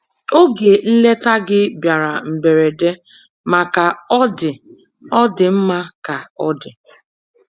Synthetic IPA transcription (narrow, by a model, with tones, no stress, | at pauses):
o˦ɡe˨n̩˦le˦ta˦ɡɪ˦bja˨ɾa˨m̩˨be˨ɾe˨de˦ | ma˨ka˨ɔ˦dɪ˨ | ɔ˦dɪ˨m̩˦ma˦ka˨ɔ˦dɪ˨